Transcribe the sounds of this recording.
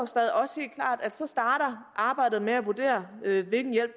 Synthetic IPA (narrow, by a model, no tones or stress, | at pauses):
o̝sd̥ɛːð̞ˠiɒ̽she̝̰ːl̥kʰlɑ̰̈ːd̥æd̥sɒ̽sd̥ɑ̈ːɾ̥ɐʔɑ̈ːb̥ɑ̈ɪ̰d̥ð̩ˠmeæʋuɐd̥e̝̰ːɐøʋe̝lɡ̥n̩jel̰b̥̚